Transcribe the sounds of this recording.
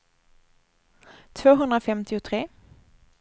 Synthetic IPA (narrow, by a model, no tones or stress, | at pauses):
t̪ʰvoːɦɵnd̪ɾafɛmt̪ɪʊt̪ʰɾeː